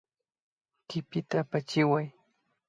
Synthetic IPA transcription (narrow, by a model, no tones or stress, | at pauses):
kɪpɪt̪apat͡ʃɪwaj